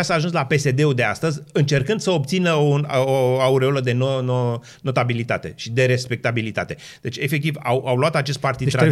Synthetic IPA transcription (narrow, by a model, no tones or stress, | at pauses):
asaːʒuns̬lape̞se̞d̪e̞ud̪e̞a̰st̪əzʲɨnt͡ʃe̞rkɨnd̪̥səo̞p̚t̪sinəunoauɾeuləd̪e̞nono | no̞t̪abilit̪at̪e̞̰ʃid̪e̞ɾe̞spe̞k̚t̪abilit̪a̰t̪e̞ | d̪̥e̞t͡ʃʲe̞fe̞k̚t̪ivawʔawloat̪at͡ʃe̞st̪̚part̪id̪ɾa